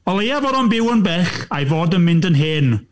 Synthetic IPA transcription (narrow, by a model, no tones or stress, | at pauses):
ɔlˠejavɔɾɔnbɪwənbɛχajvoːdənmɪ̃ndənɦeːn